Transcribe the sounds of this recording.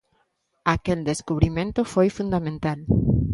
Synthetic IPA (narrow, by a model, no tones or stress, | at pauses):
akeld̪eskuβɾimẽnt̪ʊfojfund̪amẽnt̪al